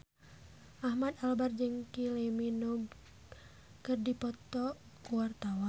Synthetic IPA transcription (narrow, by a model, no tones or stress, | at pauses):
ʔahmat̪albard͡ʒɨŋkilemino | kɨrdipɔt̪ɔ | kuwart̪awa